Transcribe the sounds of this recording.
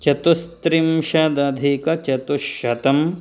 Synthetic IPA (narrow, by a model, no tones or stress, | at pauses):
t͡ʃɐt̪ust̪ɾimʃɐd̪ɐd̪ʱikɐt͡ʃɐt̪uʃɐt̪ɐm